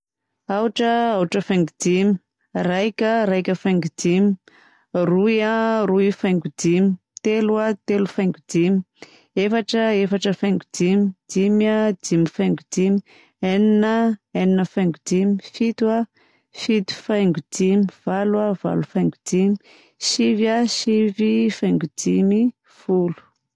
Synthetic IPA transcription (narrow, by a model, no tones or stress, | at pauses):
auʈ͡ʂəaʈ͡ʂəfajŋɡudimi | rajkʲəɾajkʲəfajŋɡudimi | rujaruifajŋɡudimi | t̪eluat̪elufajŋɡudimi | efaʈ͡ʂəefaʈ͡ʂəfajŋɡudimid̥imadimifajŋɡudimi | eninəeninəfajŋɡudimifit̪wa | fit̪u̥fajŋɡudimiv̥alwav̥a̰lufajŋɡudimi̥ | ʃivaʃivifajŋɡudimi | fulu̥